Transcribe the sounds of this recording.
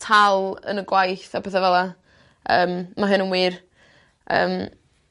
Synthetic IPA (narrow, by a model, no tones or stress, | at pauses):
tʰalˠə̰nəɡwajθabeːðavɛlˠa | əːmmaɦɨnənwiːr | ə̰ːm